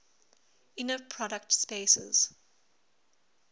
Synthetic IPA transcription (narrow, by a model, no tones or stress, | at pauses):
ɪ̃nəpʰɹɔɾək̚tspeːsə̰z̥